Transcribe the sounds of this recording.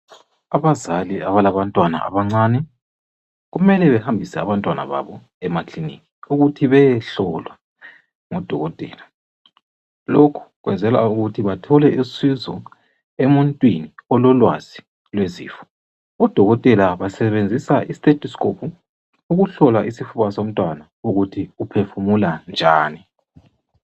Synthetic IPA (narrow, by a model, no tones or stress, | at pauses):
aβazaliaβalaβantʼwana̰ʔa̰βaŋ͡ǀaːnɛ | ɣumɛlɛβɛhambʱisɛa̰βantʼwana̰βa̰βɔ | ɛmaklinḭkʼiuɣutʰiβɛjɛɬɔlwa | ŋɔd̥ʱɔɣɔtʼɛ̰ːla | lokʰu̥ɣwɛ̰nd͡zʱɛlauɣutʰiβatʰɔlɛʔisizɔ̰ | emuntʼwiniɔlɔlwa̰z̥i | lwezḭːfɔ̥ | ɔd̥ʱɔɣɔtʼɛlaβasɛβend͡zʱisaʔistʼetʰʼɔskopʰu | uɣuɬɔlaʔisifuβasom̩tʼwana | uɣutʰiupʰefumuland͡ʒʱaːni